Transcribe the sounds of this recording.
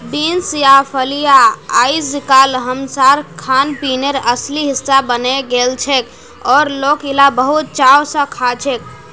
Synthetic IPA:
binsjapʰəlijaaisikalɦəmsaɾkʰanpineɾəsliɦisːabəneɡelt͡ʃʰɛk | ɔɾlokilabəɦut̪̚t͡ʃawsə̃kʰat͡ʃʰɛk̚

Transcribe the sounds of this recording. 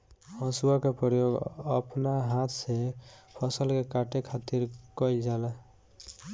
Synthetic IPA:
ɔsuakepɔɾjoɡʌ̰pnaɦat̪ʰsepʰʌsəlkekaʈekʰat̪iɾkɔjld͡ʒala

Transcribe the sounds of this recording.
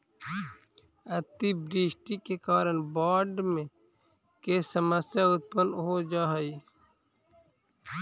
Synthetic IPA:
ɐt̪ibɾiːʃʈikekaːɾənbaːɖmẽ | kesəməsjaʊt̪̚pənɦod͡ʒaːɦəiː

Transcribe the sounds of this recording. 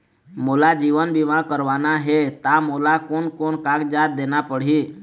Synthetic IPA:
moːlad͡ʒiːʋənbiʋãkəɾʋaːnaɦet̪amoːlakonkoːnkaːɡd͡ʒaːt̪̚d̪eːnapəɽ̤iː

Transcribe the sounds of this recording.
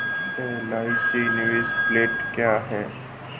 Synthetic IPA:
t̪oːlaːɪkenɪʋeːspleːʈkjaːɦɛː

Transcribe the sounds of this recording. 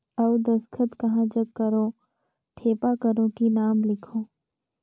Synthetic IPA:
ɐʋd̪ɐskʰət̪kɐɦãd͡ʒɐɡkːəɾõ | ʈʰeːpakəɾõkinaːmlɪkʰõː

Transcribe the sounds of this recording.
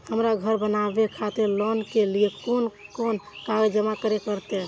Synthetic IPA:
həmɾaɡʱəɾbənabekʰat̪eɾlɔnkeliekonkonkaɡd͡ʒəmakəɾekəɾt̪e

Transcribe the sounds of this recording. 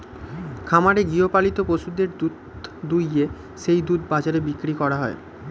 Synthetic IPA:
kʰamaɾeɡiopalit̪opoʃud̪eɾd̪ut̪d̪uje | ʃejd̪ut̪bad͡ʑaɾebikɾikɔɾaɦɔe

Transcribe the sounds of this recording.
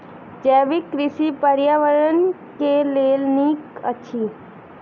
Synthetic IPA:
d͡ʒɛːʋɪkːɾɪsipəɾjaʋəɾən | keleːlniːkə̰t͡ʃʰiː

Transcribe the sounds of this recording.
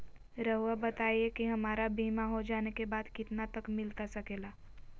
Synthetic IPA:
ɾɐɦabɐt̪aːiekiɦɐmaːɾabiːmaɦod͡ʒaːnekebaːd̪kɪt̪nat̪ɐkmɪlt̪asɐkeːlaː

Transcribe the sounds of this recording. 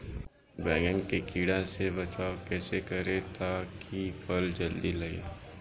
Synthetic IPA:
bɛːɡənkekiːɽasebɐt͡ʃaːokɛːsekɐɾet̪ʰakʰipʰəld͡ʒəld̪ilɐɡḛː

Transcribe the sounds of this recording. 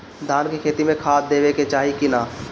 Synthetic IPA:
d̪ʱaːnkikʰeːt̪imẽkʰaːt̪d̪eːʋeket͡ʃaːɦikɪnaː

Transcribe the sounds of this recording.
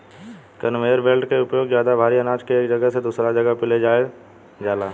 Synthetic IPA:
kɐnʋeːəɾʋeːlʈkeʊpjoːɡzjaːd̪abʱaːɾiɐnaːt͡ʃkeeːkd͡ʒɐɡəɦsed̪uːsɾad͡ʒɐɡəɦpɪled͡ʒaːe | d͡ʒaːlaː

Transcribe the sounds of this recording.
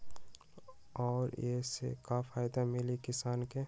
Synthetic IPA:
ɔːɾesḛkafaːɪd̪amɪlikɪsaːnke

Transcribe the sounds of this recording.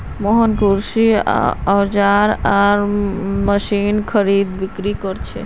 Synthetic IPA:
mɔɦənkuɾsiawd͡ʒaɾaɾməʃinkʰəɾid̪bikɾikɔɾt͡ʃʰɛ̰

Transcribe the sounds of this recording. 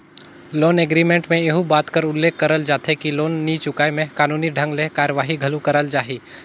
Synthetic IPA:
loːneɡɾimẽːɳʈmẽeɦũbaːt̪kəɾʊlːeːkːəɾəld͡ʒaːt̪ʰekiloːnːit͡ʃʊkaːemẽkaːnuːniɖʱɐ̃ŋɡlekaːɾəʋaːɦiɡʱɐlukɐɾəld͡ʒaːɦiː

